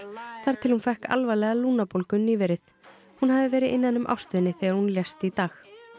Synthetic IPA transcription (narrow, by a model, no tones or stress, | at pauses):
θaɾ̥t̪ʰɪlhunfɛhka̰lvajlɛɣaluːnapowlkʏnːiːvɛɾɪθ | hunhavɪvɛːɾɪðʔɪnːanːʏmʔa̰wst̪vʏnːɪθɛːɣaɾ̥hunljɛst̪it̪aːx